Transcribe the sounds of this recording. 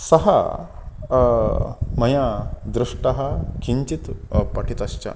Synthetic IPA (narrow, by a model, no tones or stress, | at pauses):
sɐɦa̰ | mɐjad̪ɾuʂʈɐɦakʰiɲt͡ɕit̪paʈʰit̪ɐɕt͡ɕa̰